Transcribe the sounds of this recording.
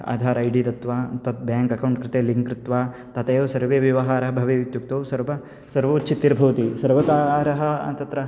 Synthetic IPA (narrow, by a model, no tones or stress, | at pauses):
a̰ːd̪ʱaːɾɐjɖiːt̪ɐt̪ʋaːt̪ɐt̪̚bjaːŋkɐkɐwɳʈkɾɪt̪eːliŋkɾɪt̪ʋaː | t̪ɐt̪ɐːjoːsɐɾʋeːʋiʋɐɦaːɾɐɦɐbʱɐʋeːʋit̪juk̚t̪oːsɐɾpɐ | sɐɾʋɐːt͡ʃʰit̪ːiɾbʱɐʋɐt̪isɐɾʋɐk̪aːɾɐɦɐ̆ɐ̰nt̪ɐt̪ɾɐ